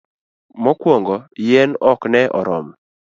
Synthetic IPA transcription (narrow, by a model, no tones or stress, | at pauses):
mɔkwoŋɡɔjɛnɔknɛʔɔɾɔm